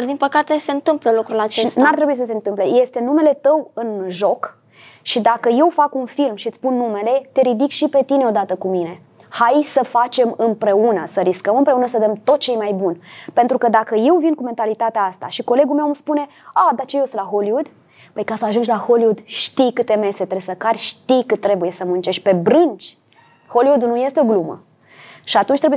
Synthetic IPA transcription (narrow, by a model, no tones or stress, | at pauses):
d̪inpəkat̪ese̞ɨnt̪ɨmpləlukɾulat͡ʃest̪naɾrt̪ɾe̞buis̬əse̞ɨnt̪ɨmple̞je̞st̪e̞nume̞le̞t̪əwɨnʒo̞k | ʃid̪akəje̞wfakunfilmʃit̪sʲpunːume̞le̞t̪e̞ɾid̪ikʃipe̞t̪ineo̞d̪at̪əkumine̞ | hajsəfat͡ʃe̞mɨmpɾe̞unəsəɾiskəmɨmpɾeunəsəd̪əmt̪o̞t̪̚t͡ʃe̞jmajbunpe̞nt̪ɾukəd̪akəje̞wvinkume̞nt̪alit̪at̪eaast̪a̰ʃiko̞le̞ɡulme̞wmspune̞ | ad̪at͡ʃejoslaɦo̞liud̪ | pəjkasəaʒund͡ʒʲlaho̞liud̪ʃt̪ijkɨt̪e̞me̞set̪ɾesəkarʲʃt̪ijkɨt̪ːɾe̞buje̞səmunt͡ʃe̞ʃʲpe̞bɾɨnt͡ʃʲ | ho̞liud̪unuje̞st̪eoɡlumə̰ | ʃiat̪unt͡ʃt̪ɾebuje